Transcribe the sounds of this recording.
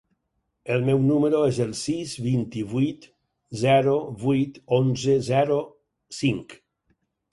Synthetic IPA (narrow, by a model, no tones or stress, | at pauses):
elˠmɛwnumeɾoezelˠsizβint̪iβujt̪ | zɛɾoβujt̪onzezɛɾo | siŋk